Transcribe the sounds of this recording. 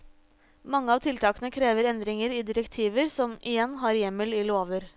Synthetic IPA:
mɑŋːəɑːʋt̪ʰɪlt̪ʰɑːkənəkʰɾeːʋəɾɛnd̪ɾɪŋəɾiːd̪ɪɾəkt̪ʰiːʋəɾsɔmʔɪjɛnːɦɑːɾjɛmːəlɪloːʋəɾ

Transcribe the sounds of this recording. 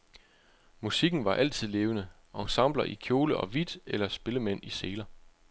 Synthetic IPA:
musiɡ̥n̩ʋɑ̈ʔæl̰t͡sʰið̞̰ˠle̝ːʊnə | ɒsɑ̈m̰b̥lɐʔikʰjo̝ːləʔɒ̽ʋid̥elɐsb̥e̝ləmen̰iseːlɐ

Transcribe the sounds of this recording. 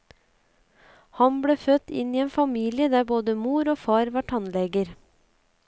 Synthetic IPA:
hɑnbɽeːfœt̪ɪ̰niːeːnfɑmiːlɪəd̪æːboːd̪əmuːɾoːfɑːɾʋɑʈʰɑnlɛɡəɾ

